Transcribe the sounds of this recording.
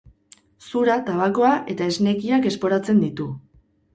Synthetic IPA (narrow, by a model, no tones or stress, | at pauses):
suɾat̪aβako̞aʔe̞t̪aezne̞kiake̞spo̞ɾat͡se̞nd̪it̪u